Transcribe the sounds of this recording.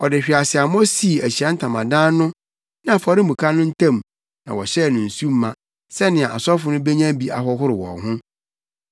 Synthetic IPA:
ɔ˨dɪ˨ɕᶣi˨a˨sɪ˨a˨m˦ɔ˦si˦˨æ˨ɕi˨ã˦n̩˦tʰã˨mã˨dã˦nʊ̃˦ | nã˦a˨fa˨ɾɪ˦mũ˨kʰa˦nʊ̃˦n̩˦tʰã˦˨m | nã˨wɔ˨ɕɛ˦˨nʊ̃˨n̩˨su˦mː˦ã˨ | sɛ˦nɪ̃˨a˨a˨sɔ˦fʊ˨nʊ̃˦be˦ɲã˦bi˦ʔa̰˨ɦɔ˦ɦʊ˦ɾɪ˨wɔ̰̃˨ŋɦʊ̃˦

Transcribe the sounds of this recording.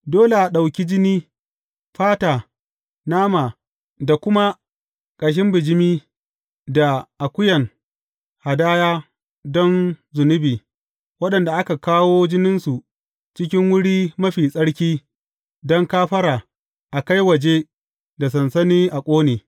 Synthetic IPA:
doː˦le˨ʔa˨ɗa˨wkʲi˦d͡ʒɪ˦niː˦ | ɸaː˦taː˨ | naː˦maː˨ | da˨kʷʊ˦ma˦ | kʼa˨ʃ̬ɪ˦mbɪ˨d͡ʒɪ˦miː˦ | da˨ʔa˨kʷʊ˦jɐ˨ŋ | ha˨daː˦jaː˦ | dɔ˦nzʊ˨nʊ˦biː˨ | wɐ˦ɗɐ˨nda˨ʔa˦ka˨kaː˦woː˦d͡ʒɪ˦nɪ˦nsu˨ʔ | t͡ʃɪ˦kʲɪ˦ŋwʊ˦ɽiː˦mɐ˦ɸiː˨sʼɐ˦ɽkʲiː˦ | dɔ˦ŋkaː˦ɸɐ˦ɾaː˨ | ʔa˨ka˦jwɐ˨d͡ʒe˦ | da˨s̬ɐ˨nsɐ˦niː˦ʔa˨kʷʼoː˦neː˨

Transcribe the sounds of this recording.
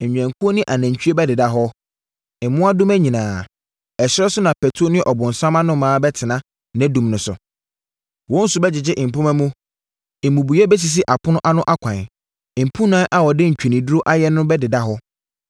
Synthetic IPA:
ɲ̩˨ɲᶣ˨ɛ̃˨ŋ˨ku˦o˦nĩ˦ʔa˨næ̃˨ɲ˨t͡ɕᶣi˦e˦bɛ˦dɪ˨da˦˨ɦɔ˦ | ɪ˨˦mʊ̃˦a˦dʊ̃˦mæ˦ɲĩ˨nãː˨ | ɛ˨ɕɪ˦ɾɔ˦sʊ˦nã˨pʰɛ˨tʰu˦o˦nɪ̃˦ʔɔ˨bʊ̃˨n̩˨sã˦mã˦nʊ̃˦mãː˨˦bɛ˦tʰɪ˨nã˦ | nɛ̃˦dũ˨mnʊ̃˨sʊ̰˨ | wɔ̃˦n̩˦sʊ˨bɛ˦d͡ʑɪ˨d͡ʑɪ˦ʔ̩˨pʊ̃˦mæ̃˦mũ˦˨ | mũ˨bu˨jɛ˦bɛ˦s̬i˨s̬ɪ˦ʔa˨pʰʊ˦nʊ̃˦ʔa˦nʊ̃˦ʔa˦kʷʰã˨n˨ | m̩˨pʰũ˦nãː˦ʔa˨wɔ˨dɪ˦ɲ̩˨t͡ɕᶣi˨nĩ˨du˦ɾo˦ʔa˦jɛ˦nʊ̃˦bɛ˦dɪ˨da˦ɦɔ˦

